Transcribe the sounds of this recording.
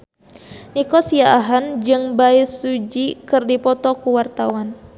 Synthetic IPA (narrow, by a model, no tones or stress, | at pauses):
nikɔsiaʔaɦand͡ʒɨŋbaisud͡ʒikɨrdipɔt̪ɔkuwart̪awan